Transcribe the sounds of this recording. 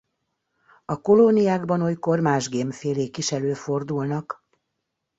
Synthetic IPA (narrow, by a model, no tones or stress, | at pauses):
ɒko̞lonijaːɡbɒnojko̞rmaːʒɡeːmfeːleːkiʃɛløːfo̞rd̪ulnɒk